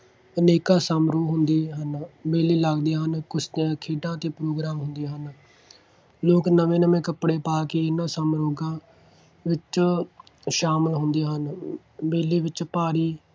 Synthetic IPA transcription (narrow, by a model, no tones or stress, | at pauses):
əneːkãːsaːmɾoːɦʊnd̪eːɦənbeːliːləɡd̪eːɦənkʊst̪eãːkʰeːɖãːt̪eːpɾoːɡɾaːmɦʊnd̪eːɦən | loːknəʋẽːnəmẽːkəpɽeːpaːkeːɪnãːsəːmɾoːɡãː | ʋɪt͡ʃ | ʃaːməlɦʊnd̪eːɦən | beːleːʋɪt͡ʃpaːɾiː